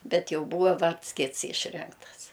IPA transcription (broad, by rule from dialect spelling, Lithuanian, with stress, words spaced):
ˈbʲɛt ˈjɛʊ ˈbuːʋɐ ˈʋɐrts ˈkʲɪts ˈiːʃʲrʲɪŋktɐs